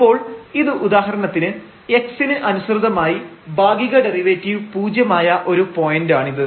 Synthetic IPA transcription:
ipːo̞ːɭiðɨʔud̪aːɦɐɾɐɳɐt̪ːinɨ | e̞ksinɨʔɐnusrɨd̪ɐmaːjibʱaːɡiɣɐɖe̞riʋeːtːiʋpuːd͡ʑjɐmaːjɐʔo̞ɾupo̞jɐndaːɳiðɨ

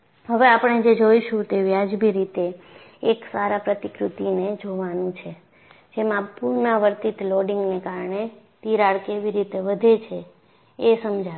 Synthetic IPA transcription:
ɦəʋeapɳ̃ed͡ʒed͡ʒoiʃũt̪eʋjad͡ʒbʱiɾit̪eː | ksaɾapɾət̪ikɾut̪ined͡ʒoʋanũt͡ʃʰe | d͡ʒemãpuɾnaʋəɾt̪it̪loɖiŋɡnekaɾɳe | t̪iɾaɭkeʋiɾit̪eʋəd̪ʱet͡ʃʰeː | səmd͡ʒʱa

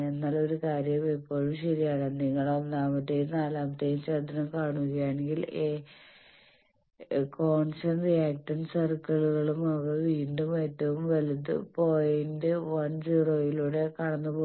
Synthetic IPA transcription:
enːaːlo̞ɾukaːɾjɐmipːo̞ːɻumɕɐɾijaːɳɨniŋːɐɭonnːaːmɐt̪ːejumnaːlaːmɐt̪ːejumt͡ɕed̪ːɐnɐmkaːɳuɣɐjaːɳe̞ŋɡile | ko̞ːɳʂɐnrijaːk̚ʈɐnsɐrkɐɭuɣɐɭumɐʋɐʋiːɳɖume̞ːtːɐʋumʋɐlut̪ːɨ̰po̞ːjindɨʋɐnd͡ʑiroːjiluːɽe̞kɐɽɐnːɨpoː

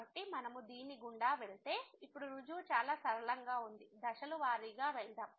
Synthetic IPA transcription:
ɐʈːimɐnɐmud̪iːnːiɡuɳɖaːʋeɭt̪e̞ːipːuɽuɾud͡ʒuːt͡ʃaːlaːsɐɾɐɭɐŋɡaːund̪id̪ɐʃɐluʋaːɾiːɡaːʋɛld̪aːm

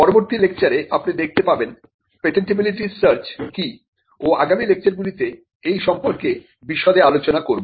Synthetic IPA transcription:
pɔɾoboɾt̪ilek̚t͡ɕaɾeʔapnid̪ek̚ʰt̪epaben | peʈenʈibiliʈisaɾt͡ɕki | oaɡamilek̚t͡ɕaɾɡulit̪e | ejʃɔmpoɾke | biʃːɔd̪ealot͡ɕonakoɾbo

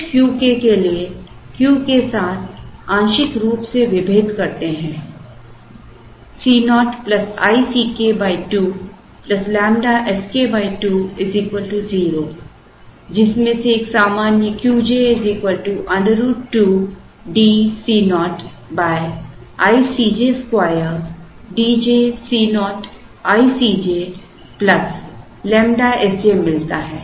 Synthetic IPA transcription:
kjuːkekeliekjuːkesaːt̪ʰãːnʃɪkɾuːpseʋɪbʱeːd̪kɐɾt̪eɦɛ̃ː | siːnɔːʈplɐsa̰ːisiːkeːbaːiʈuː | plɐslɛ̃ːmɖaʔɛskeːbaːiʈuːeziːkʋəlʈuziːɾoː | d͡ʒɪsmẽseːksaːmaːnjəkjuːd͡ʒeɪziːkʋəlʈuʔɐ̃ɳɖəɾuːʈuː | ɖiːsiːnɔːʈ | baːj | aːisiːd͡ʒeskwaːjəɾ | ɖiːd͡ʒesiːnɔːʈ | aːisiːd͡ʒe | plɐs | lɛ̃ːmɖaɛsd͡ʒeːmɪlt̪aɦɛː

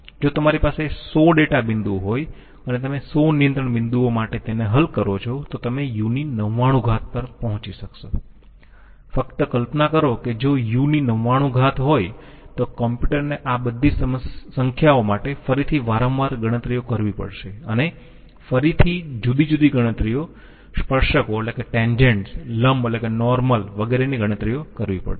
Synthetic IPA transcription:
d͡ʒot̪əmaɾipasesoɖeʈabɪ̃nd̪uɦoj | ənet̪əmesonijənt̪ɾəɳbɪnd̪uomaʈet̪eneɦəlkəɾot͡ʃʰot̪ot̪əmejuninəʋːaɽ̃ũɡʱat̪̚pəɾpəɦɔ̃t͡ʃiʃəkʃo | fəkt̪əkəlpnakəɾoked͡ʒojuninəʋːaɽ̃ũɡʱat̪ɦoj | t̪okɔmpjuʈəɾneʔabəd̪ʱːisəəsəŋkʰjaomaʈefəɾit̪ʰiʋaɾə̃ʋʋaɾɡəɽ̃ət̪ɾijokəɾʋipə̰ɽʃeəne | fəɾit̪ʰid͡ʒud̪id͡ʒud̪iɡəɽ̃ət̪ɾijo | spəɾʃəkoeʈlekeʈẽɲd͡ʒeɳʈsləmelekenɔɾməlʋəɡeɾeniɡʱəɽ̃ət̪ɾijokəɾʋipə̰ɽ

